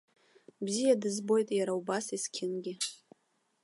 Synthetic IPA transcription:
bzijadɨzbo̞jtʼjaɾaubasiskʲʰɪnɡʲɪ

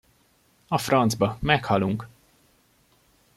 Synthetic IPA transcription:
ɒfrɒnd̪zbɒmɛkhɒluŋk

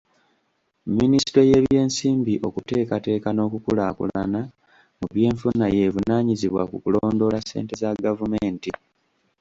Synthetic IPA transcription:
mːiniste̞je̞ːβje̞ːnsiːmbiʔo̞kute̞ːkate̞ːkano̞ːkukulakṵlana | muβje̞ːɱfunaje̞vunaːɲiziβwa̰kukuloːndo̞lasːe̞̰ːnte̞zaɡavumeːnti

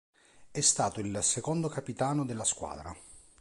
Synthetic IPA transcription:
ɛst̪aːt̪oilsekond̪okapit̪aːnod̪elːaskwa̰ːd̪ɾa̰

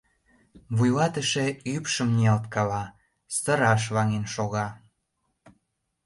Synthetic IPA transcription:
βujlɑt̪əʃeypʃəmniɑlt̪kɑlɑ | st̪ə̆ɾɑʃ̬βɑŋenʃoɣɑ

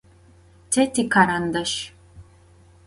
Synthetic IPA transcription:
tʰɛtikʰaɾand̪ɐʃ

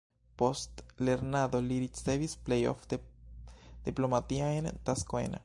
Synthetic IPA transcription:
po̞st̪le̞ɾnaðo̞liɾit͡sd̪evisplejo̰fd̪e | d̪̥iplo̞mat̪iaent̪askoḛna̰

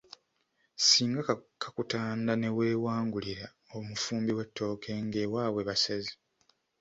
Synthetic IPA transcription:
siːŋɡakʰakutaːndane̞we̞ːwaːŋɡuliɾa | omufuːmbiwe̞tːo̞ːke̞ŋɡe̞ːwaːwe̞βasazi

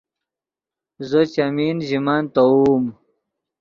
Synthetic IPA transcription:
zot͡ɕamiːnʑimaːnt̪ɐuːm

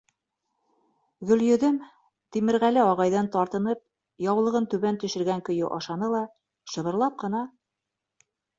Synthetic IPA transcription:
ɡɵ̆ljɵ̆ðɘm | t̪imɘ̆ɾʁælɘɒʁɑjðɑnt̪ɑɾt̪ɤ̆nɤp̚ | jɑwlˠɤ̆ʁɤnt̪ʉβænt̪ɵ̆ʃɘ̆ɾɡæŋkɵ̆jɵʔɑʃɑnɤlˠɑ | ʃɤ̆βɤ̆ɾlˠɑp̚qɤ̆nɑ

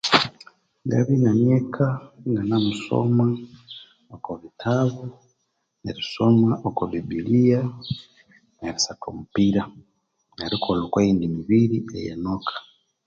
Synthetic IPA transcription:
ŋɡa̰βinaɲekʰaŋɡanamuso̰ma | okoβitʰaβu | neɾisomaʔokoβibilija | neɾisato̰mupiɾa | neɾikʰolokweindimiβiɾiḛjenokʰḁ

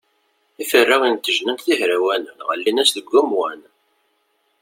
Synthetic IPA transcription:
ifərːawint̪ːəʒnənt̪θihɾæwænənʁə̰lːinæsðəɡːʊmwæn

